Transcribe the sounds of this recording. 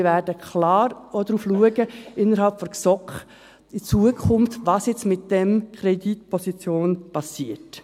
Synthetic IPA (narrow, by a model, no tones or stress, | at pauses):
væɾdəkχlɑːɾodɾuːfluəɡəɪnːəɾɦɑlpfɔɾksɔkχ | it͡suəkʰʊmftvɑːsjɛt͡smɪt̚d̥ɛmkʰɾɛditpʰɔsit͡sjoːnpɑsiət